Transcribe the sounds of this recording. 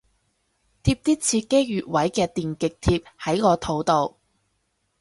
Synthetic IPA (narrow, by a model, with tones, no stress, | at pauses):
t̪ʰiː˧p̚t̪iː˥t͡sʰiː˧kːe˥ɥyː˨t̚wɐ˨˥jkɛː˧t̪iː˨nkɪ˨k̚t̪ʰiː˧p̚hɐ˨˥jkɔː˧t̪ʰo˨˥wt̪o˨w